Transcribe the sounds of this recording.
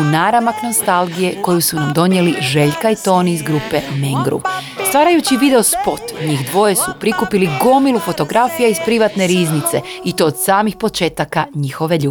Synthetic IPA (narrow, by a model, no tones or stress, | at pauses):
unaːɾamaknost̪alˠɡije̞ko̞jusunamd̪o̞nje̞liʒe̞ʎkait̪o̞ːniːzɡɾupe̞meŋɡɾṵ | st̪ʋaːɾajut͡ɕiʋid̪e̞ospo̞t̪ɲixd̪ʋo̞jesupɾikupiliɡo̞milufo̞t̪o̞ɡɾafijaizpɾiʋat̪ne̞ɾiːznit̪se̞it̪o̞ːd̪saːmixpo̞t͡ʃe̞ːt̪akaɲixo̞ʋe̞ʎuː